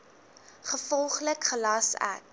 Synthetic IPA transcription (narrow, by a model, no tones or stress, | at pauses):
χəfɔlˠχləkχəlɑsæ̰k̚